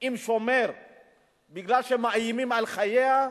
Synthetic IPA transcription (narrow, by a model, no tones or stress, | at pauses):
imʃomeɾ | biɡlalʃemaajimimalχajea